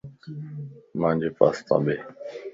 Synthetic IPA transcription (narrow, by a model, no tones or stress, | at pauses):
mãːnd͡ʒeːpa̰ːst̪ã̰ːɓeː